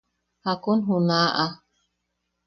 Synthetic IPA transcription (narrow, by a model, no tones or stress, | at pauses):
hakunɦunaʔa